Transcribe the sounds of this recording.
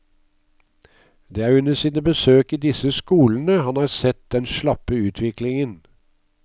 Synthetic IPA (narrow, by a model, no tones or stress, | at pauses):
d̪eːæːɾʉnəsiːnəbəsøːkiːd̪ɪsəskuːln̩əhɑnhɑːɾsɛt̪̚d̪ɛnʃlɑpəʉːt̪ʰʋɪklɪŋən